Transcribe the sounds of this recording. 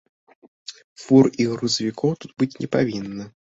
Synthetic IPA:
furiɣɾuzəvʲɪkʰɔwt̪ut̪̚bɨtʲnʲɪpɐvʲinːə

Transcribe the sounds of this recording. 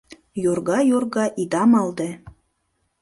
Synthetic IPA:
jorɣɑjorɣɑʔid̪ɑmɑld̪e

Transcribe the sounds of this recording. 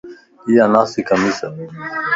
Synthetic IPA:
ijanaːsikɐmisə

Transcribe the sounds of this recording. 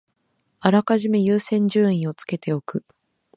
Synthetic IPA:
aɾakaʑimejɯːsẽ̞ɲ̟d͡ʑɨːĩɰ̃o̞t͡sɨ̥ke̞t̪e̞o̞kɯ̟

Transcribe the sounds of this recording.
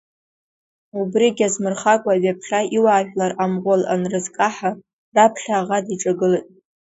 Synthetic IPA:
ubriɡʲazmɨrχakʷʼaɥapʰχʲaiwaːʒᶣlaramʁʷala̰nrɨzkʼaħa | rapʰχaːʁadiʈ͡ʂʼaɡɨlɨtʼ

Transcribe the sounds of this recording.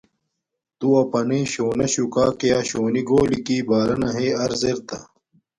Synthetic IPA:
t̪uɐpɐneːɕoːnɐɕukaːkejaːɕoːniɡoːlikiːbaːɾɐnɐɦeːɐɾzeɾt̪ɐ̰

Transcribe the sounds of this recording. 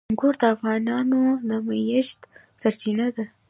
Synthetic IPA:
ŋɡoɾd̪əafɣɑnɑnod̪əmajaʃt̪ | saɾt͡ʃiɳad̪a

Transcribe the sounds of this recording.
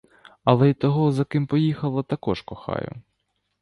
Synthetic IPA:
ɐlˠɛit̪ɔɦɔzɐkɪmpɔjixɐlˠɐt̪ɐkɔʃkɔxɑ̰jʊ̰

